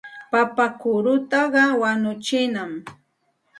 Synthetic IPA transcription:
papakʊɾʊt̪ɑɢɑwanʊt͡ʃɪnam

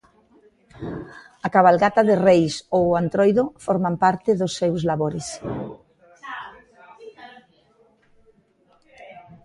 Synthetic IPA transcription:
akaβ̞alɣat̪aðɪrejsowant̪ɾojðofoɾmampaɾt̪ɪðosːewzlaβoɾɪs

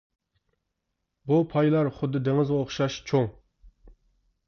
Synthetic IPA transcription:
bupʰɑjlˠɑɾχʊd̪ːɨd̪eŋɪzʁɑoχʃɑʃt͡ʃʰoŋ

